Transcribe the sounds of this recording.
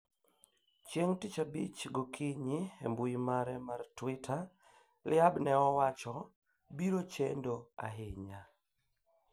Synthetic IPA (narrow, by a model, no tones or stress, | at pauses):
t͡ʃjeŋtit͡ʃabit͡ʃɡɔkʰiɲiɛ̰mbuimaɾɛmartwitʰa | lɪabnɛɔwat͡ʃɔ | biɾot͡ʃḛndoa̰ɦɪɲa